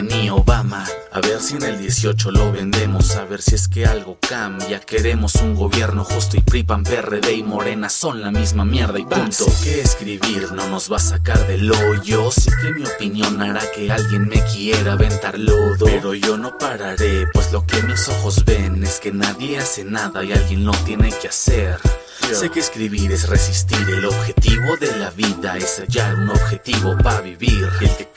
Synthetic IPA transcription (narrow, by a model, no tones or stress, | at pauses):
nioβamaaβeɾsieneld̪jesjot͡ʃoloβend̪emosaβeɾsieskealɣokambjakeɾemosuŋɡoβjeɾnoxust̪oipɾipampereðeimoɾenasonlamizmamjeɾðaipant̪okeːskɾiβiɾnonozβasakaɾðeloʝosekemio̞pinjo̞naɾakealɣje̞nmekie̞ɾaβent̪aɾloðopeɾo̞ʝo̞no̞paɾaɾe̞pwe̞zlo̞ke̞miso̞xo̞zβe̞neske̞naðje̞ase̞naðaialɣje̞nːo̞t̪je̞ne̞keaseɾ | se̞keːskɾiβiɾe̞sresist̪iɾe̞lo̞βxe̞t̪iβo̞ðe̞laβiðaesaʝaɾuno̞βxe̞t̪iβo̞paaβiβiɾelke